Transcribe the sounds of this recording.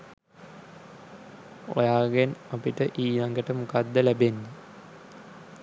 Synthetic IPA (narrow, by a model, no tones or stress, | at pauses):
o̰jaːɡenapiʈəʔiːnaŋɡəʈəmukad̪ːəlæbenːɐ